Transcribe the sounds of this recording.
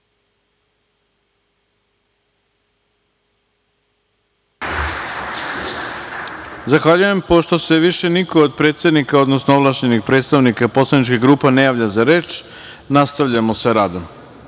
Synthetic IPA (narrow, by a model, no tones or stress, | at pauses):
zaxʋaʎuje̞mpo̞ʃt̪o̞se̞ʋiʃe̞nikoːd̪̚pɾet̪sʲjed̪nikao̞d̪nosnooʋlˠaʃɲenixpɾet̪st̪aʋnikapo̞slˠanit͡ʃkiɡɾuːpanejaːʋʎazaɾeːt͡ʃ | nast̪aʋʎamoseɾaːd̪om